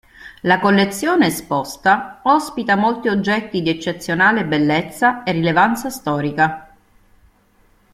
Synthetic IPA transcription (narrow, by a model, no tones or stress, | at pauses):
lakolːet̪sːjoːneːspɔst̪aɔspit̪amolt̪iod͡ʒːɛt̪ːid̪iet͡ʃːet̪sːjonaːlebelːet̪sːaerːilevant̪sast̪ɔːɾika